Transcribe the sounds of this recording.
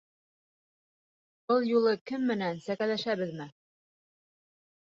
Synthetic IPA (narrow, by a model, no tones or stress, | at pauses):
bɤlˠjulˠɤkɘmːɘ̆nænsækælæʃæβɘ̆ðmɘ